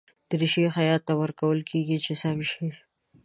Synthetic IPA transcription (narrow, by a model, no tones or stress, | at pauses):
d̪̥əɾiʃexajɑt̪ːawəɾkawəlkʰeɡit͡ʃʰesamʃi